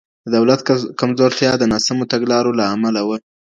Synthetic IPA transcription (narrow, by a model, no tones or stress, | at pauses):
d̪əd̪awlat̪kamzoɾt̪jɑd̪ənɑsamot̪aɡlɑɾolaːmalawə